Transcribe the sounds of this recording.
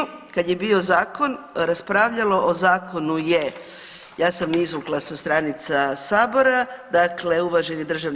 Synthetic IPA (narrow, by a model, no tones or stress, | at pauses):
kad̪je̞bio̞zaːko̞nɾaspɾaːʋʎalo̞ʔozaːko̞nuje | jaːsamnizʋuklˠasast̪ɾanit̪sasaːbo̞ɾad̪akle̞uʋaʒenid̪r̩ʒaʋn